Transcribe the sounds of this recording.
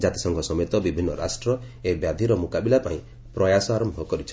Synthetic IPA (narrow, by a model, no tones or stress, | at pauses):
d͡ʒat̪i̥sɔŋɡʰʱɔsɔmet̪ɔbibʱinːɔɾa̰sʈɾɔ | ebjad̪ʱiɾɔmukabilapaĩ | pɾɔjasɔaɾɔmbʱɔkɔɾit͡ʃʰɔ̥